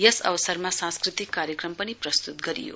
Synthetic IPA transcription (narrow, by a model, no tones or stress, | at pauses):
jʌsʌ̰bʌsʌrmasãnskrit̪ikːaɾjʌkrʌmpʌniprʌst̪ut̪ɡʌɾḭjo̰